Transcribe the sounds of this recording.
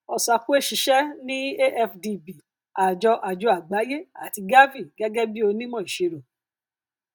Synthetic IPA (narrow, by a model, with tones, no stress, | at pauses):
ɔ˧˨sa˧ku˦e˦˨ʃi˨˧˦ʃɛ˦nĩ˦e˦ʔɛ˧fdi˧bi˨ | a˨d͡ʒɔ˧ʔa˨d͡ʒu˨˧˦a˨ɡ͡ba˨˦je˦a̰˦˨ti˧ɡa˦vi˦˨ɡ̥ɛ˦ɡɛ˦bi˦o˧nĩ˦mɔ̃˦˨i˨ʃe˨˧ɾo˨